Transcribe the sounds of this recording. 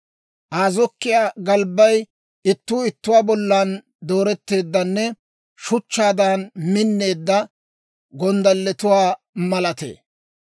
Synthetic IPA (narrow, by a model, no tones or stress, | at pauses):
ʔaːzɔkːɪjaːɡɐlbɐj | ɪt̪ːuːɪt̪ːʊwaːbɔlːaːn | d̪o̞ːɾɛt̪ːe̞ːd̪ːɐnːɛ | ʃʊt͡ʃːaːd̪aːnmɪnːe̞ːd̪ːɐ | ɡɔnd̪ɐlːɛt̪ʊwaː | mɐlɐt̪ḛː